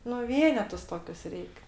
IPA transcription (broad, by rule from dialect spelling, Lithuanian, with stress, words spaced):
nʊ ˈʋʲiɛnʲɛtʊs ˈtoːkʲʊs ˈrʲɛɪk